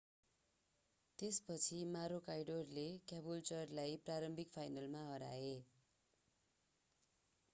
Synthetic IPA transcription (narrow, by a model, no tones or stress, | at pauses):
t̪espʌt͡sʰimaɾokajɖorlekjabult͡sʌrlajpraɾʌmbʱikpʰajnʌlmaɦʌɾa̰e